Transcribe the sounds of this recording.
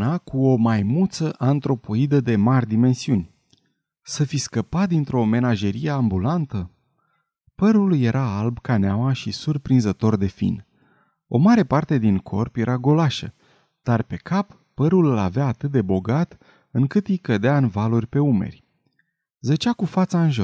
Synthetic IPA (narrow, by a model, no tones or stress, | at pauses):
nakuo̞majmult̪səʔant̪ɾo̞po̞id̪əd̪e̞marʲd̪ime̞nsiunʲ | səfiskəpat̪̚d̪int̪ɾo̞me̞naʒe̞ɾije̞ambulant̪ə | pəɾulje̞ɾʔaalbkaneamaʃisurpɾinzət̪o̞rd̪e̞fḭn | o̞̰maɾe̞part̪e̞d̪iŋkʰo̞rpje̞ɾʔaɡo̞laʃə̰ | d̪̥arpe̞kʰapːəɾulɨlaveaːt̪ɨt̪̚d̪e̞bo̞ɡat̪ | ɨŋkɨt̪ijkəd̪eaɨnvalurʲpe̞ume̞̰rʲ | zət͡ʃakufat̪saɨnʒo